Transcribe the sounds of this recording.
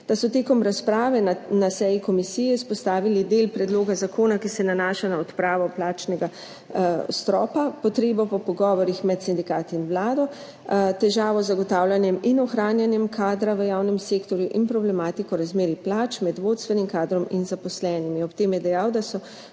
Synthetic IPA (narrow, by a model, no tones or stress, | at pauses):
d̪̥asɔt̪eːkɔmɾaspɾaːʋɛnasɛjikɔmisijɛspɔst̪aːʋilid̪elpɾɛd̪loːɡazakoːnakisɛnanaːʃanaɔt̪pɾaːʋɔplaːt͡ʃnɛɡa | st̪ɾɔːpapɔt̪ɾeːbɔpɔpɔɡɔːʋɔɾixmɛt̪sind̪ikaːt̪iinʋlaːd̪ɔ | t̪ɛʒaːʋɔzːaɡɔt̪aːwlʲjanjɛminɔxɾaːnjanjɛmkʰaːd̪ɾaʋəjaːwnɛmseːkt̪ɔɾjuʔinpɾɔblɛmaːt̪ikɔɾazmeːɾiplaːt͡ʃmɛd̪ʋoːt̪st̪ʋɛnimkaːd̪ɾɔminzapɔslɛːnimiɔpt̪eːmjɛd̪ɛjawd̪asɔ